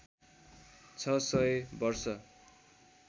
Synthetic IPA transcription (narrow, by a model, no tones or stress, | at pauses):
t͡sʰʌsʌebʌrsʌ